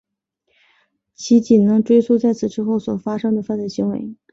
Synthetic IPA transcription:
t͡ɕʰi˧˥t͡ɕi˨˩nɤ˧˥ŋʈ͡ʂwe˥ɪt͡sʰu˥˧t͡sa˥˩ɪt͡sʰɹ̩˨˩ʈ͡ʂɻ̩˥xo˥˩ʊswɔ˨˩fa˥ʂɤ˥ŋd̪ə˨fa˥˧nt͡sə˥˩ɕi˧˥ŋwḛ˧˥ɪ

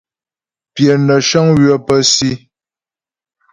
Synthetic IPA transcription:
pjɛ˨nə˨ʃɔ˦ŋɥɥə˦pə˦si˦

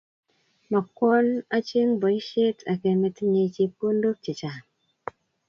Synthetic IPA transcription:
ma˨kɔ˦na˦t͡ʃi˦ŋbo˨i˦ʃe˦tʰa˨ke˨me˨ti˦ɲe˧˦t͡ʃi˧pu˦n˦do˦k̚t͡ʃi˨t͡ʃa˨

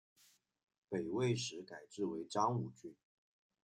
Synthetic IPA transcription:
pe˨˩ɪwe˥˩ɪʂɻ̩˧˥ka˨˩ɪʈ͡ʂɻ̩˥˩we˧˥ɪʈ͡ʂɑ˥ŋu˨˩t͡ɕy˥n

